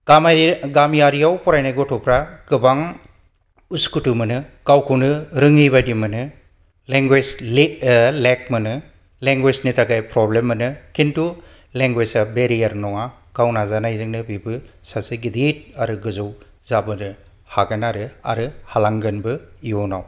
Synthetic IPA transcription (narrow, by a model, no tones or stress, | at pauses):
ɡ̥amajɾiɡamjaɾijawpɔɾajnajɡɔtʰɔpʰɾaɡ̥ɯbaŋ | uskutumɯnɯkawkʰɯwnɯɾɯŋijβajdimɯnɯ | leŋɡwezllek̚mɯnɯ | leŋɡweznitʰaɡajpɾɔblemːɯnɯkʰintu | leŋɡwezabeɾijaɾnɔŋa | kawnazanajzɯŋnɯbibɯsasɯɡidit̚aɾɯɡɯzow | zabɯnɯ | haɡanaɾɯa̰ɾɯhalaŋɡɯnbɯiɔnaw